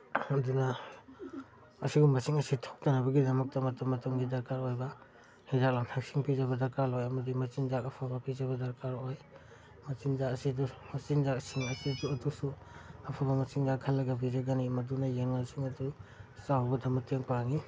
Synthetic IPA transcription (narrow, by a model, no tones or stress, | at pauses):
anduna | siɡumɐsiŋɐsitʰɔ̥k̚tanɐbɐɡidɐmɐk̚tɐmɐtumɐtuŋɡidɐɾkaɾojbɐ | hizak̚lantʰak̚siŋpizaβɐdɐɾkaɾlojɐmɐdimɐt͡ʃinzak̚ɐpʰabɐpʰizɐβɐdɐɾkaɾoj | mɐsinzakɐsidumɐsinzak̚siŋɐsiduɐdusuɐpʰabɐmɐsiŋzakʰːalːɐɡɐpʰizaɡanimɐdunajeŋnasiŋɐdusawbɐdɐmɐteŋpaŋi